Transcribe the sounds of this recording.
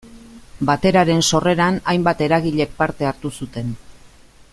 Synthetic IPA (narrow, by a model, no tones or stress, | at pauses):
bat̪e̞ɾaɾe̞nso̞re̞ɾanajmbat̪e̞ɾaɣiʎe̞k̚paɾt̪e̞aɾt̪usut̪e̞n